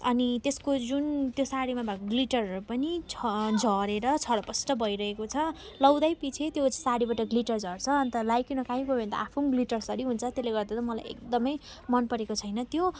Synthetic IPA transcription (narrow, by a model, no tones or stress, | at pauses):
ʌnit̪eskod͡zunt̪josaɽimabʱakoɡliʈʌrpʌnit͡sʰd͡zʱʌɾeɾʌt͡sʰʌɾʌpʌsʈʌbʱʌiɾʌɦekot͡sʰʌ | lʌwd̪ajpit͡sʰet̪josaɽibaʈʌɡliʈʌrd͡zʱʌrt͡sʰʌːnt̪ʌlajkinʌkaɦĩɡobʱent̪ʌ̰ʔapʰunɡliʈʌrsʌɾiɦunt͡sʰʌt̪eleɡʌrd̪at̪ʌmʌla̰jḛk̚d̪ʌmʌjmʌnpʌɾekot͡sʰʌjnʌt̪jo